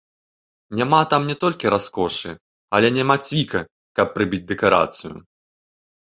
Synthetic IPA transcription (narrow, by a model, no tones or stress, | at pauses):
nʲamat̪amnʲɛt̪ɔlʲkʲiɾʔaskɔʂɨ | ɐlʲɛnʲamat͡sʲvʲikɐ | kɐpːɾɨbʲid͡zʲd̪ɛkaɾa̰t̪sɨjʊ̰